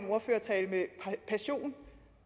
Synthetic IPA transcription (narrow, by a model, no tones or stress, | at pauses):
mo̝ɐføːɐt͡sʰɛːləmepʰæɕo̝̰ːn